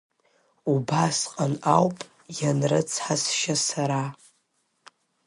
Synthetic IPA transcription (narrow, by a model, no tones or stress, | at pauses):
ubasqʼanawpʼ | janrɨt͡sʰħasʃasaɾa